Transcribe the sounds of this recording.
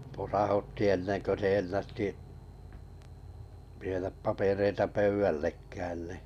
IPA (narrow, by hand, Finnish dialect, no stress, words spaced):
posɑhutːi enːen kø se enːætːi ʋieɾæp pɑpereitɑ pøyw̆ælːekæːn niˑ